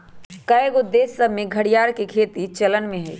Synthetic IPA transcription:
kəeɡod̪eːsəmẽɡʱɐɽijaːɾkekʰeːt̪it͡ʃɐlənmẽɦɛ̰ː

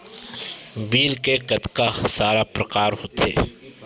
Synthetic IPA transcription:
biːɾkekɐt̪kasaːɾapɾɐkaːɾɦoːt̪ʰḛː

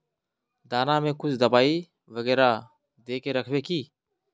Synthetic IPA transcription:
d̪aːnãːmẽːkʊt͡ʃʰd̪əbaːiː | ʋəɡɛːɾaː | d̪eːkeːɾəkʰʋeːkiː

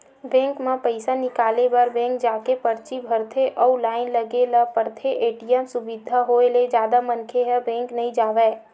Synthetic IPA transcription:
bɛ̃ːŋkmãpəɪsanɪkaːlebɐɾbɛ̃ːŋk̚d͡ʒaːkepəɾt͡ʃibʱəɾt̪ʰeʔɔulaːɪnləɡelapəɾt̪ʰeʔeːʈijəmsʊbɪd̪ʱaɦoːeled͡ʒjaːd̪amənkʰeɦɛbɛ̃ːŋknəɦĩd͡ʒaːʋɛː

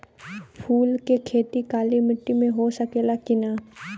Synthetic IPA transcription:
pʰuːlkekʰeːt̪ikaːlimɪʈːimẽɦosəkeːlakɪnaː

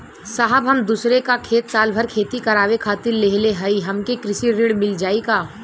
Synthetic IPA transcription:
saːɦəbɦɐmd̪uːsɾekakʰeːt̪saːlbʱɐɾkʰeːt̪ikɐɾaːwekʰaːt̪ɪɾleɦleɦɐiɦɐmkekɾɪʃiɾɪɽmɪld͡ʒaːikaː

